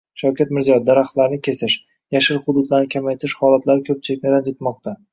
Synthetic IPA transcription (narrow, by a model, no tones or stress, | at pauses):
ʃawkʲat̪mɪɾzijɒd̪aɾaχt̪laɾnɪkʲʰe̞sɪʃ | jaʃɪɾχʊd̪ʊd̪laɾnɪkʲʰamajt̪ʰɪɾɪʃhɒlat̪ʰlaɾɪkʲʰɵp̚t͡ʃʰɪlɪkʲnɪd̪and͡ʒet̪mɒq̚t̪ʰa